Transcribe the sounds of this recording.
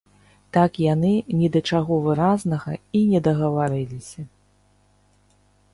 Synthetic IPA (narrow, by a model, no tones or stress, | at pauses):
t̪akjanɨnʲɛd̪ɐt͡ʂaɣɔvɨɾaznɐɣɐinʲɛd̪ɐɣɐvaɾɨlʲisʲɐ